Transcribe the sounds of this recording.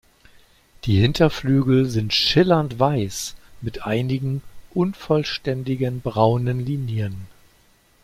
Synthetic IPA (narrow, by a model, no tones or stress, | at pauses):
d̥iːhɪntɐflyːɡl̩zɪntʃɪlɐntv̥aɪsmɪtʔaɪnɪɡŋ̩ʔʊnfɔlʃtɛndɪɡənbʁaʊnənliːnjən